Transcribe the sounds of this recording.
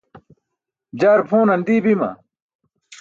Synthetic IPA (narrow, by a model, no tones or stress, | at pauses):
d͡ʑaːɾpʰuːnɐnd̪iːbimɐ̰